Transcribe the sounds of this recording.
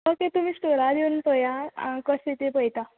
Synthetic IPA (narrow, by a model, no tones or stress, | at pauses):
əket̪um̤iːsʈoɾad̪eunpəjakəset̪epəjt̪a